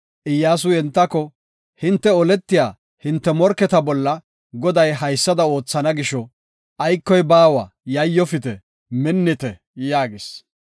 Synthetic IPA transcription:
ʔɪjːaːs̬ʊjɛnt̪ːɐkɔ | hɪnt̪ːɛɔlɛt̪ːɪjaː | hɪnt̪ːɛmɔɾkːɛt̪ɐbɔlːɐ | ɡɔd̪ɐjɦɐjsːɐd̪ɐo̞ːt͡sːɐnɐɡɪʃɔ | ʔɐjkːɔjbaːwɐ | jɐjːɔfɪt̪ɛ | mɪnːɪt̪ɛ | jaːɡɪs

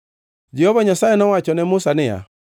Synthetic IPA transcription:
d͡ʒɛhɔβaɲasaɛnawat͡ʃɔnɛmosanɛja̰

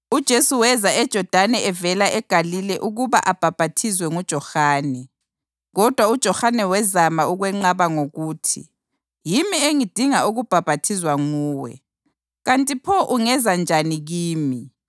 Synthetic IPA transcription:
ud̥ʒ̥ʱesuwɛzaɛd̥ʒ̥ʱɔd̥ʱanɛɛvɛlaʔɛɡ̥ʱalilɛʔuɣuβa̰ʔab̥ʱab̥ʱatʰizwɛŋud̥ʒ̥ʱɔxaːnɛ | ɣɔd̥ʱwaud̥ʒ̥ʱɔxanɛwɛzamauɣwɛŋ͡ǃaβaŋoɣuːtʰḭ | jimieŋid̥ʱiŋaʔuɣub̥ʱab̥ʱatʰizwaŋuːwɛ̰ | ɣantʼipʰɔʔuŋɛzand͡ʒʱaniɣiːmi

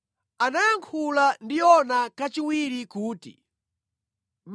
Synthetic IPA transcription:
anajaŋkʰulandiɔnakat͡ʃiwiɾikuːtḭ | m

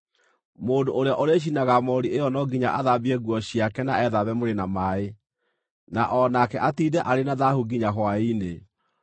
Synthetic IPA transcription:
moːndoʔoɾeaʔoɾeɕ̬inaɣamɔɾiejɔnɔɡiɲaʔaðabiɛɣwɔɕiakɛnaɛðaβɛmoɾenamae | naʔɔnakɛʔatidɛʔaɾenaðahuɡiɲahwaine

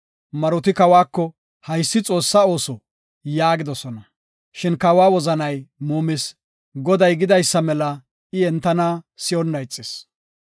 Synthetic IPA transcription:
mɐɾʊt̪ɪkɐwaːkːɔ | hɐjsːɪt͡sʼo̞ːsːɐo̞ːsɔ | jaːɡɪd̪ɔsɔnɐ | ʃɪnkɐwaːwɔzɐnɐjmoːmɪs | ɡɔd̪ɐjɡɪd̪ɐjsːɐmɛlɐ | ɪɛnt̪ːɐnaːsɪjɔnːɐjt͡sʼːɪs

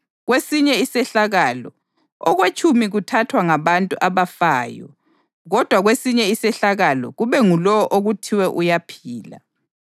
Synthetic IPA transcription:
ɣwesiɲɛisɛɬaɣalɔ̰ | ɔɣwet͡ʃʼʰumiɣutʰatʰwaŋaβantʼuʔaβafaːjɔ̰ | ɣɔd̥ʱwaɣwesiɲɛisɛɬaɣalɔ̰ɣuβɛŋulɔʔoɣutʰiwɛʔujapʰiːla̰

